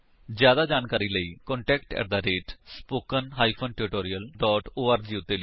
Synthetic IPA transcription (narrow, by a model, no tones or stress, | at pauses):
zjaːd̪aːd͡ʒaːnkaːɾiːləiːkɔ̃ːɳʈɛːkʈɛ̰ɾd̪aːɾeːʈspoːkənɦaːipʰənʈɪɾɪʈoːɾiəlɖɔːʈoːəɾd͡ʒiːʊt̪ːeːli